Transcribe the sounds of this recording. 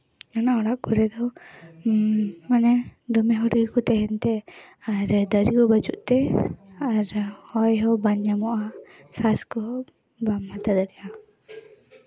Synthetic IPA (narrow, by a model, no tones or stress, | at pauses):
anaɔɽaʔkuɾɛd̪ɔ | manɛd̪ɔmɛɦɔɽɡɛkut̪ɛɦɛnt̪ɛ | aɾd̪əɾikɔbat͡ʃuʔt̪ɛaɾhɔjɦɔbaɲamɔʔa | saskɔɔ | bamːat̪ad̪əɽɛja